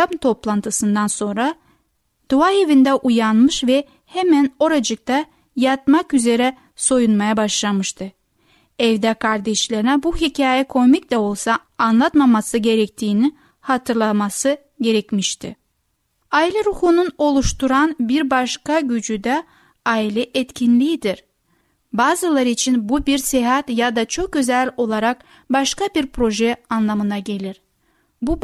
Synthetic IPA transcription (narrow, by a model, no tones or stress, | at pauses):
amt̪ʰo̞plˠant̪ʰɯsɯnd̪anso̞nɾa | d̪̥uae̞vind̪ɛʔujanmɯʃvɛ | hemæno̞ɾad͡ʒɯk̚t̪ʰa | jat̪̚makyze̞ɾɛ | so̞junmajabaʃlˠamɯʃt̪ʰɯ | ɛvd̪ɛkʰaɾd̪ɛʃlʲeɾinɛbuɦicʰaːjɛkʰo̞micd̪ɛo̞lˠsaːnlˠat̪mamasɯɟe̞ɾɛc̚t̪ʰiːni | hat̪ʰɯɾlˠamasɯ | ɟe̞ɾɛcmiʃt̪ʰḭ | aːilʲɛɾuhununo̞lˠuʃt̪uɾanbiɾbaʃkaɟyd͡ʒyd̪ɛ | aːilʲɛʔɛt̪cʰinlʲijid̪iɾ̥ | baːzɯlˠaɾɯit͡ʃʰinbubiɾsɛɦat̪jad̪at͡ʃʰo̞k̚øzælʲo̞lˠaɾak | baʃkabiɾpʰɾo̞ʒɛanlˠamɯnaɟe̞lʲiɾ | bu